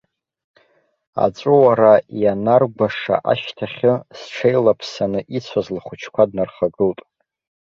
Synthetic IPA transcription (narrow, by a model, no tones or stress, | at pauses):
a̰t͡sʷʼʊwaɾajanarɡʷaʂa̰ʔaʃtʰaχʲʊsʈ͡ʂʰejlapʰsanɨʔit͡sʷʰazlχʷʊt͡ʃʰkʷʰadnarχaɡɨltʼ